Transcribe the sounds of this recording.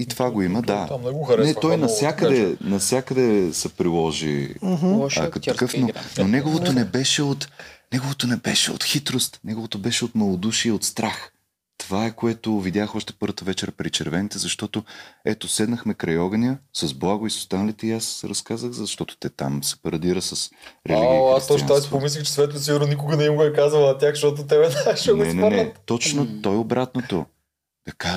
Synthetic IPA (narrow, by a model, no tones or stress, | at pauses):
it̪ovaɡoiməd̪anɛtt̪ɔjnɐfsʲjakəd̪ɛnɐfsʲakəd̪ɛsɛpɾilˠɔʒḭɦɐ̰kət̪okɤfnononɛɡovot̪onɛbɛʃɛot̪nɛɡovot̪onɛbɛʃɛo̰t̪xit̪ɾost̪nɛɡovot̪obɛʃɛot̪mɐlˠod̪uʃiəot̪st̪ɾax | t̪ovaɛkoɛt̪ovid̪ʲjaxɔʃt̪ɛ̥pɤɾvət̪əvɛt͡ʃɛɾpɾit͡ʃɛɾvɛnit̪ɛzɐʃt̪ɔt̪oɛt̪osɛd̪nəxmɛkɾajɔɡənʲjəsɐzblˠaɡʊisʊ̥st̪anəlit̪ɛiasɾɐskazəxzɐʃt̪ɔt̪o̥t̪ɛt̪a̰msɛ̥pɐɾɐd̪iɾəsəsɾɛliɡɡijasst̪ɔt̪ɔjsipomislʲixt͡ʃɛ̥svɛt̪lʊsiɡʊɾnonikʊɡənɛimɡoɛkazvɐlˠnɐt̪ʲjaxʃt̪ɔt̪̬ʊt̪ɛbɛnaɛʃɛnɛnɛnɛt̪ɔt͡ʃnot̪ɔjobɾat̪not̪o | k̪ɐka